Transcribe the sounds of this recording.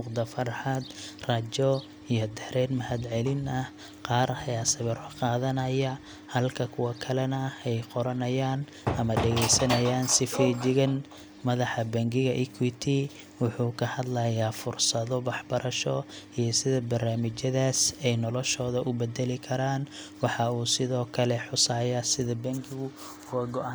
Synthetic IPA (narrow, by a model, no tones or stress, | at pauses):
mʊqd̪ɐfɐrħɑd̪rɐt͡ʃɔ | ijɔd̪ɛhɾɛːnmɐhɐd̪ʕɛlɪnɐh | qɑːɾhɐjaːsɐβɐrqɑːðɐnɐjɐ | hɐlkʰɐkʰʊwɐkʰɐlɛnɐɛjqɔɾɐnɐjaːn | ɐmɐɖɛɣɛjsɐnɐjaːnsɪfɛd͡ʒɪɣɐn | mɐðɑħɐbɐŋɡɪɣɐʔɪkʰwit̪ʰi | wʊħuːkʰɐhɐd̪lɐjaːfʊrsɐðɔwɑħbɐɾɐʃɔijɞsɪðɐbɐrnaːmɪt͡ʃɐðaːsɛjnɔlɔʃɔːðɐʔʊbɛd̪ɛlɪkʰɐɾaːnwɑħɑuːsɪðɔːkʰɐlɛħʊsaːjɐsɪðɐbɐŋɡɪɣʊ | wɐɡɔʔan